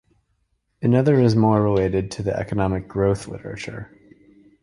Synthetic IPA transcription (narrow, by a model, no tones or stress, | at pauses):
ɨnʌðə˞ɨzmɔɹːɪleɪɾɨd̚tʰɨðiʔɛ̰kənɑmɨk̚ɡ̥ɹoʊθlɪ̰ɾə̰˞ɨ̰t͡ʃə̰˞